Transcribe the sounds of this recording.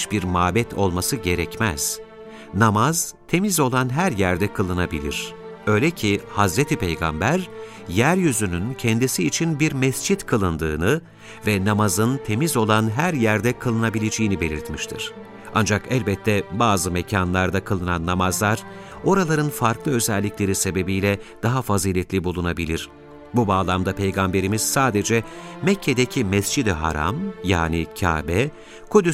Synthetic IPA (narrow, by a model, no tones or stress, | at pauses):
biɾmaːbɛt̪ʰo̞̰lˠmasɯɟe̞ɾɛcmɛ̰z̥ | namaz̥t̪ʰe̞mizo̞lˠanɦæɾjæɾd̪ɛkʰɯlˠɯnabilʲḭɾ̥ | ø̞jlʲɛcʰihazɾet̪ʰipʰejɡa̰mbæɾ | jæɾjyzynyncʰɛnd̪isiːt͡ʃʰinbiɾmɛsd͡ʒit̪kʰɯlˠɯnd̪ɯːnɯ | vɛnamazɯnt̪ʰe̞mizo̞lˠanɦæɾjæɾd̪ɛkʰɯlˠɯnabilʲed͡ʒejinibe̞lʲiɾt̪miʃt̪ʰḭɾ̥ | a̰nd͡ʒakɛlʲbɛt̪ʰːɛbaːzɯmecʰanlˠaɾd̪akʰɯlˠɯnanːamazlˠaɾ̥ | o̞ɾalˠaɾɯnfaɾklˠɯø̞zɛlʲːiclʲe̞ɾise̞be̞bijlʲɛd̪̥aɦafaziːlʲɛt̪lʲibulˠunabilʲiɾ̥ | bubaːlˠamd̪apʰe̞jɡambe̞ɾimiz̥saːd̪e̞d͡ʒɛmɛcʰːed̪ecʰimɛsd͡ʒid̪iɦa̰ɾa̰mja̰ːnicʰa̰ːbɛ | kud̪y